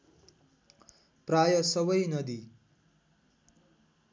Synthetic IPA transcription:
prajʌsʌbʌjnʌd̪i

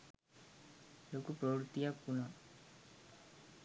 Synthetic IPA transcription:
lokupɾəwɾut̪ijakuna

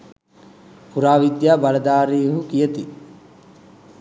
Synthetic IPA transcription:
puɾaːʋid̪jaːbaləd̪aːɾiːɦukijət̪i

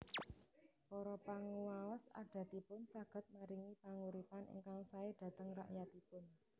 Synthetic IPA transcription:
pɔɾɔpaŋuwawəsa̰ɖ̥a̤t̪ipʊnsaɡ̥ə̤t̪̚maɾiŋipaŋuɾipanʔḭŋkaŋsaɪd̥a̤t̪əŋra̰ʔjat̪ipʊn

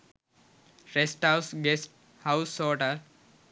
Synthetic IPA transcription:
ɾesʈaʊsɡesʈ̚ | haʊsoːʈəɾ

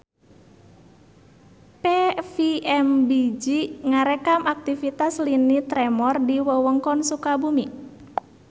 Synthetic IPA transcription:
pefiɛmbid͡ʒiŋaɾekamak̚t̪ifit̪aslinit̪ɾɛmɔrdiwəwəŋkɔnsukabumi

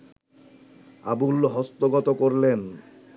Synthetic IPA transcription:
a̰bulɦɔst̪oɡɔt̪okoɾlen

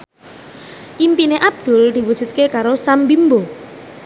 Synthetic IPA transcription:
ʔimpineʔap̚d̪̥ṳld̪̥i̤wud̥ʒ̥ṳt̪̚kekaɾosambimbo

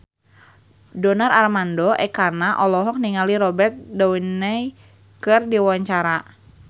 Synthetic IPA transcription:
dɔnararmandɔʔɛkarnaʔɔlɔɦɔk̚niŋaliɾɔbɛrt̪̚dɔwinɛj | kɨrdiwaɲt͡ʃaɾa

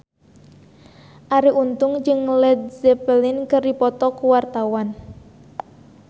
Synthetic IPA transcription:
ʔaɾiʔunt̪ʊŋd͡ʒɨŋlɛd̪̚zɛpəlɪnkərdipɔt̪ɔkuwart̪awan

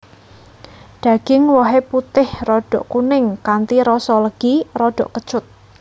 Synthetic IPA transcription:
ɖ̥a̤ɡ̥ɪŋwɔɦeput̪ɪhrɔɖ̥ɔʔkunɪŋkant̪iɾɔsɔləɡ̥irɔɖ̥ɔ̤ʔkə̥t͡ʃʊt̪̚

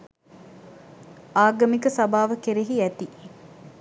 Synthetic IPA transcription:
aːɡɐmikəsɐbaːʋəkeɾeɦiɛt̪i

